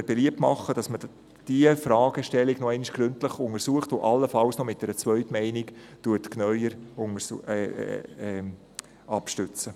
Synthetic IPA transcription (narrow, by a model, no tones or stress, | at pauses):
əɾb̥ɛliəp̚tmɑ̰χːəd̥ɑsmə | d̥iəfɾɑːɡ̥əʃtɛlːiɡnɔɛɪniʃɡ̥ɾʏntləχʊŋəɾsuəχtoʔɑlːəfɑlsnɔmɪt̚dɛɾət͡sʋœʏtmɛɪniktuətknœʏəɾʊŋə | ɛ | ɑpʃtʏt͡sə